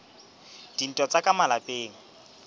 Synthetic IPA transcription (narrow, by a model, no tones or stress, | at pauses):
d̥in̩tʼɔt͡sʼakʼamalapʼeːŋ̩